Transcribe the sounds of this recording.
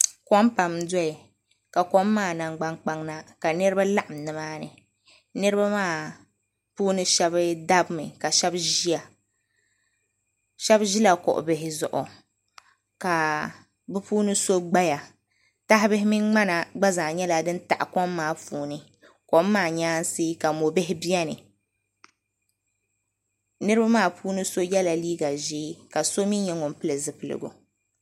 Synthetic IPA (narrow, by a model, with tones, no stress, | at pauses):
kɔ˦mpa˨mdɔ˦i˨ | ka˨kɔ˦mːaː˦˨na˨ŋɡ͡ba˦ŋk͡pa˦ŋna˦ka˨nɨ˦ɾɨ˦ba˦la˦ʔa˨mnɨ˨maː˦nɨ̰˨ | nɨ˦ɾɨ˦ba˦maː˦˨ | puː˦nɨ˦ʃɛ˦bɨ˦da˦bmɨ˨ka˨ʃɛ˦bʒi˦a˨ | ʃɛ˦bʒi˦la˨kɔ̰˨ʔʊ̰˨bɪ˨ɦɪ˨zʊ̰˨ʔʊ̰˨ | ka˨ | bɛ˦puː˦nɨ˦so˦ɡ͡ba˦ja˨ | ta˦ɦɪ˦bɨ˦ɦɪ˦mi˦nŋ͡ma˦na˨ɡ͡ba˦za˨ɲɛ˦la˨dɨ˦n˦ta̰˨ʔkɔ˦mːaː˦fuː˨nɨ˦ | ko˦mː˦aː˦˨ɲaː˦n˦seː˦ka˨mo˨bɪ˦hɪ˦bi˦ɛ˦nɨ˨ | nɨ˦ɾɨ˦ba˦maː˦˨pʰuː˦nɨ˦so˦jɛ˦la˨liː˦ɡa˨ʒeː˦ka˨so˦mi˦nɲɛ˦ŋʊ˨m˦pɨ˦lɨ˨zɨ˨pɨ˨lɨ̰˨ɡṵ˨